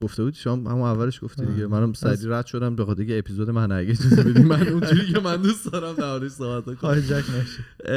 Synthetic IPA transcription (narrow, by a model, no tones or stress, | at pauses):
ɡoft̪e̞buːd̪i̥ʃomɑhæ̰munævːæleʃɡ̥oft̪iːd̪iɟemænæmsæd̪iːɾæd̪ʃo̞d̪æmbexɒːd̪ejeːpʰizod̪emænæ̰ɟet̪ʰɒzebed̪imænund͡ʒuɾicʰemænd̪usd̪ɒɾæmd̪æɔːleʃsoːbæt̪nækxoɒhed͡ʒæcʰnæʃe